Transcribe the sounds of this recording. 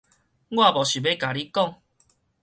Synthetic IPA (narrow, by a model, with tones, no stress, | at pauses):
ɡwa˥˧˨bɔ˨˩ɕu˨˩be˦ka˨˩li˦kɔ˥˨ŋ